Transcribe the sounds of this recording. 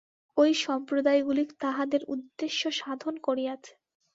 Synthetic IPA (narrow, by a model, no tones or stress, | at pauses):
ojʃɔmpɾod̪ajɡulikt̪aɦad̪eɾṵd̪ːeʃːoʃad̪ʱonkoɾiat͡ɕʰe̥